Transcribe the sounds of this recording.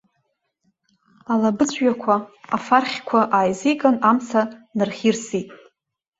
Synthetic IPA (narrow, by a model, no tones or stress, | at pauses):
alabɨt͡ɕʷʼɥakʷʰaafarχʲkʷʰaʔaːjzikʼanamt͡sʰanɨrχʲirsitʼ